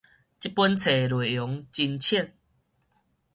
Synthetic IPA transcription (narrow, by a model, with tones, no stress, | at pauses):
t͡ɕi˦pu˦nt͡sʰe˨˩lwe˨˩jo˨˦ŋt͡ɕi˧nt͡ɕʰi˥˨n